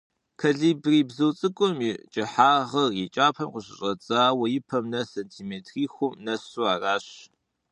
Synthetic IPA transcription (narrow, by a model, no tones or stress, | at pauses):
kʰɐɮiːbriːbzɐwt͡sʼɨkʷʼʊmit͡ʃʼɪħaːʁɐrjɪt͡ʃʼaːpʰɐmqʷəɕʼɪ̰ɕʼɐt͡sʼaːwɐjɪpʰɐmnɐsentʰiːmeːtʰriːxʷʊmnɐsuaːraːɕ